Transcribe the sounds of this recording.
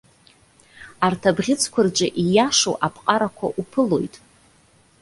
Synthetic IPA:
artʰabʁʲɪt͡sʰkʷʰard͡ʒʷʼɪʔijaʂo̰ʔapʰʼqʼaɾakʷʰa̰ʔupʰɨlo̞jtʼ

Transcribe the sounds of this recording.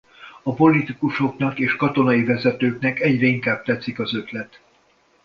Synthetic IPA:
ɒpo̞lit̪ikuʃo̞knɒkeːʃkɒt̪o̞nɒivɛzɛt̪øːknɛkɛɟrɛiŋkaːb̥̚t̪ɛt̪sikɒzø̞t̪lɛt̪

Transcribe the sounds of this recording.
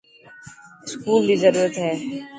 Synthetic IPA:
ɪskuːld̪iːzəɾuːɾət̪ɦɛː

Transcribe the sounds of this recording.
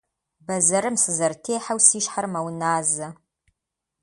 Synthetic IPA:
bɐzɐɾɨmsɨzɐrtʰeːħawsiːʃħarmɐwnaːzɐ

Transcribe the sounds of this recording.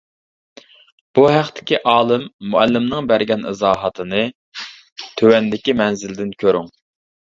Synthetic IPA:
b̥uɦæχt̪ʰɪ̥kʲiʔɑːlˠɨmːuælːɪmnɨŋbæɾɡʲɛnɪ̰zɑːɦɑt̪ʰɨnɨ | t̪ʰøwɛnd̪ɪkʲimɛnzɪld̪ɪnkʲʰøɾyŋ

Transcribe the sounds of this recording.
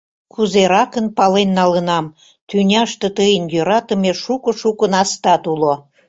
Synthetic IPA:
kʰuzeɾɑkənpɑlenːɑlənɑm | t̪ynʲɑʃt̪ə̆t̪əjənjøɾɑt̪ə̆meʃukə̆ʃukənɑst̪ɑt̪ulo

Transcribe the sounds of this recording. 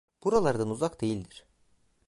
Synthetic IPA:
b̥uɾalˠaɾd̪anuzakd̪e̞jilʲd̪iɾ̥

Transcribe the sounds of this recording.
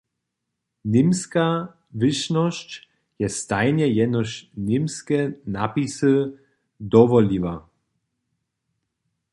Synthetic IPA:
nɪmska | vɪʃnɔɕt͡ɕ | jɛst̪ajɲɛjɛdnɔʃnɪmskɛnapisɨ | d̪ɔvɔliva

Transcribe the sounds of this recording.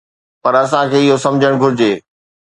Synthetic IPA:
pɐɾɐs̬ãkʰeːɪɦosɐ̃md͡ʑʱəɽ̃ɡʱʊɾɪd͡ʑeː

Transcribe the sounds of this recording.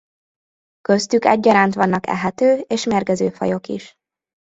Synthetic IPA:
kø̞st̪ykɛ̰ɟːɒɾaːnt̪ʋɒnːɒkɛ̰ɦɛt̪øːeːʃmerɡɛzøːfɒ̰jo̞kḭʃ

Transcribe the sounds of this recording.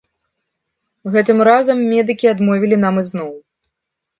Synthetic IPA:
ɣɛt̪ɨmɾazɐmːʲɛd̪ɨkʲiad̪mɔvʲilʲin̪amɨznɔw

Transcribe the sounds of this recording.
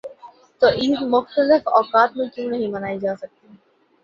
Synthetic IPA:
t̪oːʔɪsmʊxt̪əlɪfɔːkaːt̪mẽkjõːnɐɦĩmɐnaːid͡ʒaːsɐk̚t̪i

